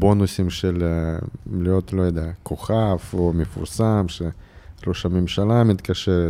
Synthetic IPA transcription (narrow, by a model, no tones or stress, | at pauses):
bo̞nusimʃel | lijo̞t̪lojod̪ejakʰoχafomefṵɾsamʃeɾoʃamemʃalamit̪kaʃeɾe